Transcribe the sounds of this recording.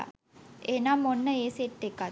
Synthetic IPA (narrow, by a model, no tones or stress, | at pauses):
a̰ | eːnaːmonːəeːseʈ̪ːekːa